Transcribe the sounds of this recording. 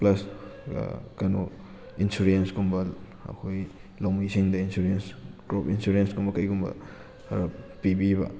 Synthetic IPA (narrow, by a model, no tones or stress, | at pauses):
plɐs | kɐno | insuɾiensɡumbɐl | ɐ̰kʰojlɐwmisiŋdɐinsuɾiensɡɾopinsuɾensɡumbɐkɐjɡumbɐ̰ | ɾpibiβɐ̰